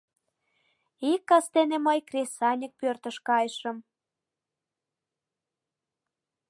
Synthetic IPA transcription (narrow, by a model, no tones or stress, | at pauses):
ikːɑst̪eneməjkrʲesɑnʲək̚pørt̪ə̆ʃkɑjəʃə̆m